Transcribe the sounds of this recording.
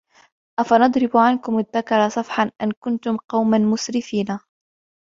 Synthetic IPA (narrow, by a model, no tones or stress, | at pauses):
ʔafanɑd̪ˤɾɪbʕankʊmaðːakɑɾˤɑsˤɑfħanʔankʊnt̪ʊmqɑwmanmʊsɾɪfiːna